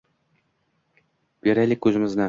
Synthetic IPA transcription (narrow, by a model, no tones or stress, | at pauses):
b̥eɾælʲɪkʲːɵzɪ̆mɪznæ